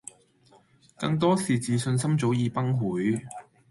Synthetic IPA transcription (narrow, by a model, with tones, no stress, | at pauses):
kɐ̰˧ŋt̪̬ɔː˥siː˨t͡siː˨˩sɵ˧ns̬ɐ˥mt͡so˨˥wjiː˨˧pɐ˥ŋɦuː˨˥j